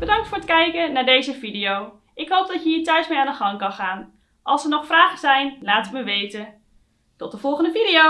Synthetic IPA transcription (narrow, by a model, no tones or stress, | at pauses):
b̥ədɑŋk̚tfʊːɹətkɛjkənaːɹdejzəvidijow | ʔɪkɦowp̚dɑtjəiːtœɥsmejaːndəχɑŋkɑnχaːn | ʔɑlˠsəɹnɔχfraːχəzɛjnlaːtməʋejtə | tɔt̚dəv̥ɔlˠχəndəvidio